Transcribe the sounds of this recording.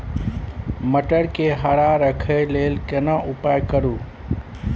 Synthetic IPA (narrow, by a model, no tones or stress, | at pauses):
məʈəɾkeɦaɽaɾəkʰeleːlkənãʔʊpaːjkəɾuː